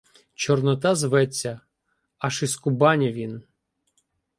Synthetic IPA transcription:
t͡ʃɔrnɔt̪ɑzʋɛt͡sʲːɐ | ɐʃiskʊbɑnʲɐʋʲin

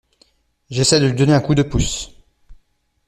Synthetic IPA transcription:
ʒesɛd̪əlɥid̪ɔneɛ̃kud̪əpus

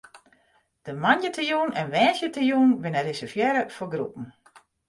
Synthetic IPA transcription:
d̥əmanjətʰəjuːnʔɛnʋɛːsjətʰəjuːnʋɪnərɪsəfjɛɾəfɔɡrṵpn̩

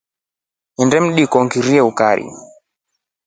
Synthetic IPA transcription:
ɛndɛm̩ɗikɔŋɡiɾiɛukaɾḭ

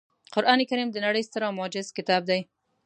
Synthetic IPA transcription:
qʊɾʔɑnekaɾimd̪ənaɽəjst̪əɾɑwmʊɑd͡ʒɪzkɪt̪ɑb̚d̪aj

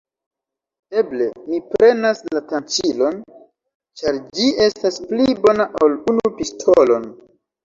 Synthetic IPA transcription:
e̞ble̞mipɾe̞naslatant͡ʃilo̞n | t͡ʃaɾd͡ʒiʔe̞stasplibo̞naʔolunupistʰolo̞n

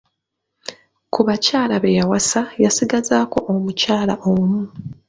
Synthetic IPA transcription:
kuβacaːlaβejawasajasiɡazaːko̞ʔomucaːlaʔomu

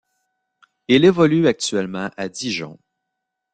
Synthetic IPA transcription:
ilevɔlyak̚t̪ɥɛlmɑ̃ʔad̪iʒɑ̰̃

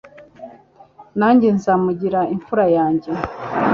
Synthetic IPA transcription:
naːɲɟenzamuɟiɾaiɱfuɾajaːɲɟe̞

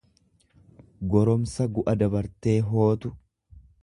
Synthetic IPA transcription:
ɡɔɾɔmsɐɡʊʔɐd̪ɐbɐɾt̪e̞ːɦo̞ːt̪ʊ

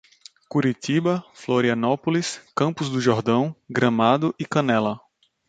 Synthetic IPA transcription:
kuɾit̪ibɐfloɾiɐ̃nɔpʊliskɐ̃mpʊzd̪ʊʒɔɾd̪ɐ̃w̃ɡɾɐ̃mad̪ʊʔɪkɐ̃nɛlɐ

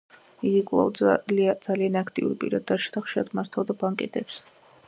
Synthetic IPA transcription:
iɡikʼlˠa̰vd̪lad̪zalianakʰt̪ʼḭṵɾipʼḭɾad̪ːat͡ʃʰḁt̪aχʃiɾad̪ʰmaɾt̪ʰalˠd̪abaŋkʼɛ̰t̪ʼɛps

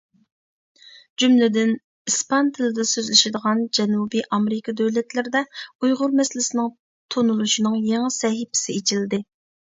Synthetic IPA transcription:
d͡ʒymlɪd̪ɪn | ispɑnt̪ʰɪlɪd̪ɛsøzlɪʃɪd̪əʁɑnd͡ʒɛnubiʔɑmeɾɪkʰɑd̪øwlɛt̪lɪɾɪd̪ɛujʁʊɾmɛslɪsɪnɪŋ | t̪ʰonulˠuʃinɨŋjeŋɪsɛɦɪpʰɪ̥sɪet͡ʃʰilɪd̪ɪ

